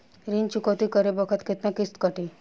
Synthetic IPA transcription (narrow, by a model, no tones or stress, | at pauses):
ɾint͡ʃukət̪ikəɾebəkʰət̪kʰet̪nãkist̪kəʈi